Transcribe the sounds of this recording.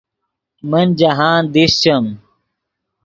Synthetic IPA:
mɐnd͡ʑɐɦaːnd̪ist͡ɕɐm

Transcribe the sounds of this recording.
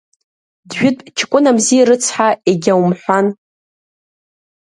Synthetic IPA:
dɥᶣʊtʼt͡ʃʰɪ̥kʷʼʊnamzijɾɨt͡sʰħaeɡʲawmħʷan

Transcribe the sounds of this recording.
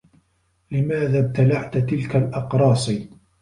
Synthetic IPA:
lɪmaːðaːb̚t̪alaʕt̪t̪ɪlkalʔɑqɾˤɑːsˤiː

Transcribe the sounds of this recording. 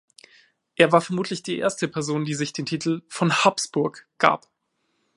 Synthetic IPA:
ʔeːɐvaːɐfɛɐmuːtlɪçd̥iːʔḛɐstəpʰɛɐzoːndiːzɪçd̥eːntʰiːtʰl̩fɔnhapsb̥ʊɐkɡ̥a̰ːp

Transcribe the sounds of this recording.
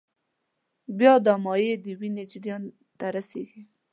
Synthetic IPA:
bjɑd̪ɑmɑjed̪əwined͡ʒɾjɑn | t̪aɾaseɡi

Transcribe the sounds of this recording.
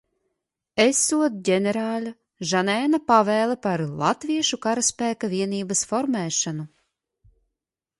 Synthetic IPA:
esːuɔd̪ɟʲenʲeɾaːlʲa | ʒanɛːnapavɛːlˠɛpaɾlˠa̰t̪viɛʃukaɾaspæːkavʲiɛniːbasfɔɾmɛːʃanu

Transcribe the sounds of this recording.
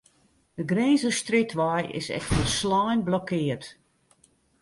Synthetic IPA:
dəɡreːnzəstrɪtʰʋɔjɪ̰sɛ̰xtəslɔjnblɔkʰɪːərt

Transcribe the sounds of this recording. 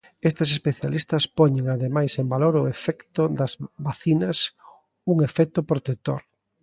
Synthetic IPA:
est̪esespeθjalist̪ɐspɔɲeŋaðemajsembaloɾʊefɛkt̪ʊd̪ɐzβaθinɐs | uŋefɛk̚t̪ʊpɾot̪et̪o̰ɾ

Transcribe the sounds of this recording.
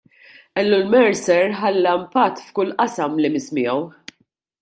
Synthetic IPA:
ɛlːʊlmɛɾsɛɾħɐlːɐmpɐt̪ːfkʊlʔɐsɐmlimɪsmɪjɔw

